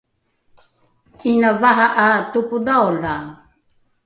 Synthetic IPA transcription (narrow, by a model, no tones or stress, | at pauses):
inavaɦaʔatupudaola